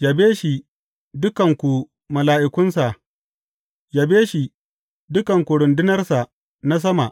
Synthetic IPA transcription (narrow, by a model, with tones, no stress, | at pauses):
ja˨beː˦ʃi˨ | dʊ˦kɐ˨ŋkʷu˨ | mɐ˨laː˨ʔɪ˦˨kʷʊ˦nsa˨ʔ | ja˨beː˦ʃi˨ | dʊ˦kɐ˨ŋkʷu˨ɽʊ˨ndɪ˦nɐ˦rsa˨ | na˦s̬ɐ˦ma˨ʔ